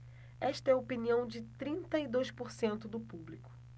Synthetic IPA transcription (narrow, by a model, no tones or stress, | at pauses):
ɛʃt̪ɐɛopiniɐ̃w̃d͡ʒɪt̪ɾĩnt̪ɐid̪ojspoɾsẽnt̪ʊd̪ʊpublikʊ̥